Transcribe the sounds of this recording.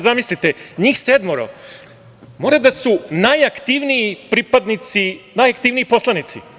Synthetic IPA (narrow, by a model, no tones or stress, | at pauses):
zamislit̪eɲiːxsed̪moɾo̰ | moːɾad̪asunajakt̪iʋniipɾipad̪nit̪sinajakt̪iːʋniipo̞slˠanit̪si